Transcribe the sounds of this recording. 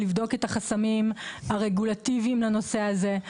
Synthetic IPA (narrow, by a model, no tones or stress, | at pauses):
livd̪o̞ke̞taχasamimaʁeɡulat̪iviimlano̞se̞aze̞